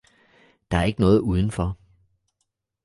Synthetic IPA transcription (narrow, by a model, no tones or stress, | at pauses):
d̥ɑ̈æɐe̝ɡ̥ənɔ̽ːð̞̩ˠuːð̞ˠən̩fɒ